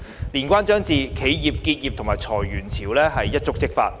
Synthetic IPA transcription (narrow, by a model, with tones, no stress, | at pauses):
liː˨˩nkʷaː˥nt͡ʃœː˥ŋt͡siː˨kʰe˨˥jji˨p̚kiː˧t̚jiː˨p̚t̪ʰʊ˨˩ŋmaː˨jt͡sʰɔː˨˩jɥyː˨˩nt͡sʰiː˨˩wlɛː˥ɦɐ˨jːɐ˥t̚t͡sʊ˥k̚t͡sɪ˥k̚fa̰ː˧t̚